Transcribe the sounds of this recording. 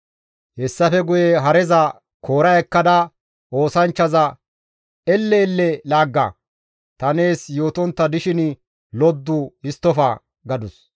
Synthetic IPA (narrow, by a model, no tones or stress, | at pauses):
hɛsːɐfɛɡʊjɛɦɐɾɛzɐ | kʰo̞ːɾɐjɛkːɐd̪ɐ | ʔo̞ːsɐnt͡ʃːɐzɐ | ɛlːɛːlːɛlaːɡːɐ̰ | t̪ɐne̞ːsjo̞ːt̪ɔnt̪ːɐd̪ɪʃɪn | lɔd̪ːʊɪst̪ːɔfɐ̰ | ɡɐd̪ʊs